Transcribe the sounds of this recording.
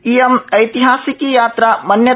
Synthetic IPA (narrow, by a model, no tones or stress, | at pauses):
iemɐjt̪iɦaːsikijaːt̪ɾamɐnjɐ